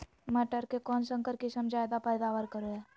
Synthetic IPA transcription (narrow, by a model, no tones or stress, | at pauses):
məʈəɾkekɔːnsə̃ŋkəɾkisəmd͡ʒʱajd̪apəjd̪aːʋəɾkəɾoɦɛ